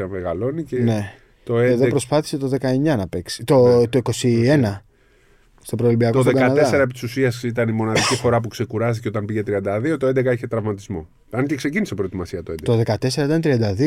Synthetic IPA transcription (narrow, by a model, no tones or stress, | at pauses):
ɐmeɣɐlo̞nicene̞ | t̪o̞eeðopɾo̞spɐθi̥se̞t̪o̞ðe̞kɐeɲɐnɐpe̞ksi̥t̪ot̪o̞iko̞sie̞nɐ | st̪o̞pɾolibiɐkt̪oðeɡɐɐnɐðeseɾɐepit̪i̥susiɐsit̪ɐnimo̞nɐðicifo̞ɾɐp̬ukse̞kuɾɐst̪i̥ceo̞t̪ɐmbiʝe̞t̪ɾiɐnd̪ɐðio̞t̪oe̞nd̪ekɐeçe̞t̪ɾɐvmɐt̪izmo̞̰ | ɐncekse̞cinisepɾot̪imɐsiɐt̪od̪et̪o̞ðe̞kɐt̪e̞seɾɐit̪ɐnt̪ɾiɐnd̪ɐði